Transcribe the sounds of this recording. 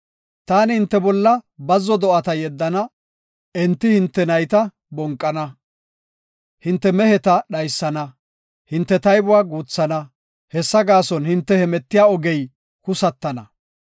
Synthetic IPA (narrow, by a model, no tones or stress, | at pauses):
t̪aːnhɪnt̪ːɛbɔlːɐbɐzːɔd̪ɔʔɐt̪ɐjɛd̪ːɐnɐ | ɛnt̪ːɪhɪnt̪ːɛnɐjt̪ɐ | bɔŋkʼːɐnɐ | hɪnt̪ːɛmɛhɛt̪ɐɗɐjsːɐnɐ | hɪnt̪ːɛt̪ɐjbʊwaːɡuːt͡sːɐnɐ | hɛsːɐɡaːsɔnhɪnt̪ːɛhɛmɛt̪ːɪjaːɔɡɛj | kʊsɐt̪ːɐnɐ